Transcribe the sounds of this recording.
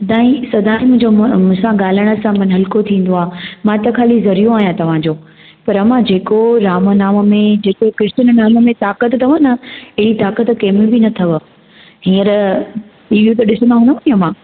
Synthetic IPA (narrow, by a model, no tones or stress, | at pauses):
sɐd̪ʱaːĩsɐd̪ʱaːĩmʊ̃ɦɪ̃ɲd͡ʑomʊ̃sãɠaːl̤əɽ̃ə̆sãmɐnɦɐlkot̪ʰĩːn̆d̪oaːmãt̪ɐkʰaːlizɐɾijõaːɦijãt̪ɐʋ̤ãd͡ʑoː | pɐɾɐmãd͡ʑeːkoɾaːmnaːməmẽd͡ʑeːkokɪɾtənnaːmmẽt̪aːkət̪t̪ʰɐʋə̃nɐɪit̪aːkət̪keːmĩbinɐt̪ʰɐʋ | ɦĩːəɾ | ʈiːʋjut̪ɐɗɪsənd̪aɦũːnd̪aniɐmã